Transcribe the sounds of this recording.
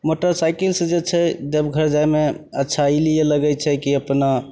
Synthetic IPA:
moʈəɾsajkilsẽd͡ʒet͡ʃʰɛd͡ʒəbɡʱəɾd͡ʒajmeətːʃʰailijeləɡɛt͡ʃʰɛkiəpna

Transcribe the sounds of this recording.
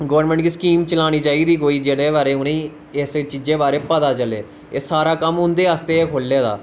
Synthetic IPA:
ɡəʋəɾnmɛ̃ːɳʈɡiːskiːmt͡ʃəlaːñiːt͡ʃaːiːd̪iːkoːiːd͡ʒeːɽeːbaːɾeːʊnẽː | ɪst͡ʃiːd͡ʒẽːbaːɾeːpət̪aːt͡ʃəleː | esaːɾaːkəmɦʊ̃nd̪eːaːst̪eːeːkʰoːlːaːd̪a̰ː

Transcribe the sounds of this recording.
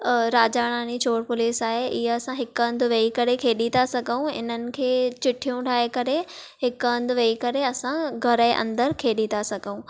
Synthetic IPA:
ɾaːd͡ʑaːɽ̃aːnit͡ɕoːɽpʊliːsaːɦeʔɪɦeɐsãɦɪkɐ̃nd̪ʊʋeikɐɾekʰeːɗit̪asɐɡʱəũɪ̰n̤ənɪ̆kʰeːt͡ɕɪʈʰijũɖʱaːekɐɾe | ɦɪkɐ̃nd̪ʊʋeikɐɾeɐsãɡʱɐɾəeʔɐ̰̃nd̪əɾkʰeːɗit̪ʰasɐɡʱəũ

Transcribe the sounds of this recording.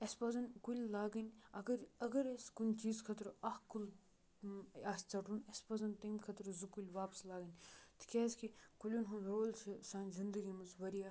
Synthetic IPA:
espɐzɐnkulʲlaːɡinʲɐɡɐɾɐɡɐɾeskunʲt͡ʃiːzkʰɐt̪ɾɐhkul | ɐst͡sɐʈunespɐzɐnt̪ɐmkʰɐt̪ɾzukulʲʋaːpslaːɡinʲt̪ʰɨ̥kʲeːskikulʲunɦunɾoːlʲt͡ʃʰsãːnzind̪əɡimɐzʋɐɾija

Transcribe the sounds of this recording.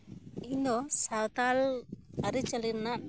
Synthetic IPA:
ĩnd̪ɔsawt̪alɐɾit͡ʃɐliɾna

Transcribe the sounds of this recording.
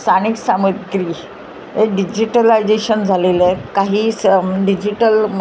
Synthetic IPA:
st̪ʰaniksaməd̪ɡɾiː | ɦeɖid͡ʑiʈəlajd͡zeɕənd͡zʱalelekaɦiːsɖid͡ʑiʈəlm

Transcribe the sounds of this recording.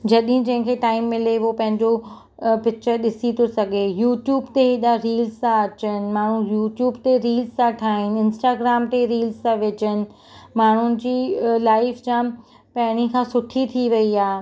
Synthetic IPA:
d͡ʑɐɗɦɪ̃d͡ʑɐ̃ɦɪ̃kʰeʈaːɪmːɪleʋopɐ̃ɦɪ̃ɲd͡ʑo | pɪk̚t͡ɕəɾɗɪsit̪ʰosɐɡʱejuːʈjuːbt̪eɦɪɗaɾiːlzt̪ãɐt͡ɕənɪ̆maːɳ̤ujuːʈjuːbt̪eɾiːlztãʈʰaːɦɪnɪ̆ɪ̃nsʈaːɡɾaːmt̪eɾiːlzt̪ãʋɪt͡ɕənɪ̆ | maːɳ̤ʊnɪ̆d͡ʑiːlaːɪfd͡ʑãː | pɐɦɪɽ̃ikʰãːsʊʈʰit̪ʰiʋɐiaː

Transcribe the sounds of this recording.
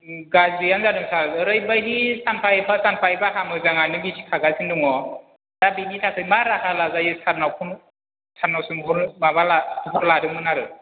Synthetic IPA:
ɡazijanzadɯŋsalɾɯjbajdisanpʰajpʰasanpʰajbaɦamɯjzaŋanɯbisʰi̥kʰaɡazinduŋɔ | dabinitʰakʰɯjmaɾahalazajɯsʰaɾnawkʰun | sʰaɾnawsɯmbɔɾmabalaɦɔɾladɯmɯnaɾɯ

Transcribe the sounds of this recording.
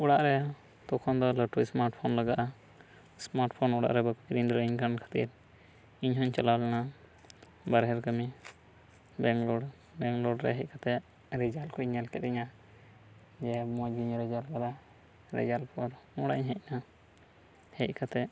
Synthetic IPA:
uɽaʔɾɛ | t̪ɔkʰɔnd̪ɔləʈusmaɾʈpʰɔnlaɡaʔa | smaɾʈpʰɔnɔɽa̰ʔɾɛbəkiɾiɲd̪ɔɾiɲkankʰḁt̪ḭɾ | iɲɦɔɲt͡ʃalawlɛna | baɾɦɛɾkəmi | bɛŋɡlɔɽ | bɛŋɡlɔɖɾɛ̰ɦɛc̚kʰat̪ɛ | ɾɛd͡ʒalkʰɔɲɛlkɛt̪ɛɲa | d͡ʒɛmɔd͡ʒɡiɲɾɛd͡ʒalbala | ɾɛ̰d͡ʒalpɔɾuɽaɲɦɛc̚na | hɛc̚ˀkʰat̪ɛ

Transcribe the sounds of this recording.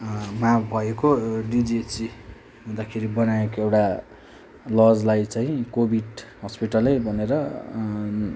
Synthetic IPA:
mabʱʌekoɖid͡ziet͡si | ɦũnd̪akʰeɾibʌnaekoewʈa | lʌd͡zlajt͡saĩkobʱiɖɦʌspiʈʌlejbʱʌneɾʌ

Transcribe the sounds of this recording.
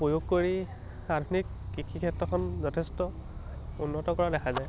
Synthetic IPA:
pojoɡ̚koɹi | adʱnikːikʰikʰɛtɹɔkʰɔnzɔtʰestɔ | unːɔtɔkɔɹadɛkʰazaj

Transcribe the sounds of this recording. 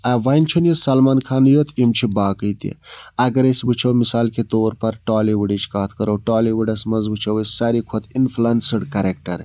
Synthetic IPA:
ɐʋɐjnt͡ʃʰunjisɐlmaːnkʰaːnjot̪ʰimt͡ʃʰibaːkəjt̪ḭɐɡɐɾesbɨt͡ʃʰowmisaːlket̪oːɾpɐɾʈaːliʋuɖit͡ʃʰkaːt̪ʰkɐɾowʈaːliʋuɖɐsmɐzbɨt͡ʃʰɐwissɐɾikʰot̪ʰinpʰlɐnsəɽkɐɾek̚ʈɐ̰ɾ

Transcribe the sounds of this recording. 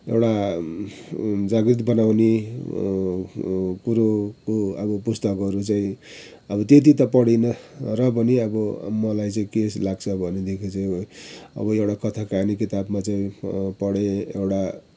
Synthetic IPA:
ḛwɽa | d͡zaɡrit̪̬bʌnawne | kuɾokoʌbʌpust̪ʌkɡʌɾut͡saĩ | ʌbʌt̪et̪̬it̪ʌpʌɽinʌrʌbʌniʌbʌmʌlajt͡saĩkeslaɡt͡sʰʌbʱʌned̪ʱekʰit͡saĩʌ̰bʌewɽakʌt̪ʰakanikit̪abmat͡saĩpʌɽeḛwɽa

